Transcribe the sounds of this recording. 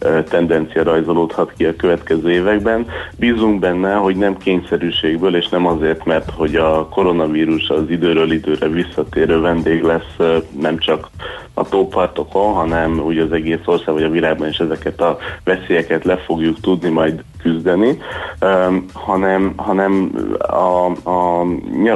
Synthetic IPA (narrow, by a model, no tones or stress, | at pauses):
t̪ɛnd̪ɛnt̪sijɒɾɒjzoloːt̪hɒt̪kiɒkøvɛt̪kɛzøːeːvɛɡ̚bɛnbiːzuŋɡbɛnːɛɦo̞ɟnɛmkeːɲsɛɾyːʃeːɡbøːleːʃnɛmɒzeːrt̪mɛrt̪ho̞ɟɒko̞ɾo̞nɒviːɾuʃɒzid̪øːɾøːlid̪øːɾɛvisːɒt̪eːɾøːvɛnd̪eːɡlɛsːnɛmt͡ʃɒk | ɒ̰t̪oːpɒrt̪o̞ko̞nɦɒnɛmuːɟɒzɛɡeːso̞rsaːɡvɒɟɒvilaːɡ̚bɒneʃɛzɛkɛt̪ɒvɛseːjɛkɛt̪lɛfo̞ɡjukt̪ud̪nimɒjd̪ | kyzd̪ɛni | hɒnɛmɦɒnɛmɒɒɲ